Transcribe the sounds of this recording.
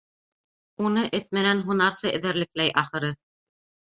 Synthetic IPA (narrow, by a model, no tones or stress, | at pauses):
unɤʔɘt̪̚mɘ̆nænɦunɑɾsɤʔɘ̆ðæɾlɘ̆k̚læjʔɑχɤ̆ɾɤ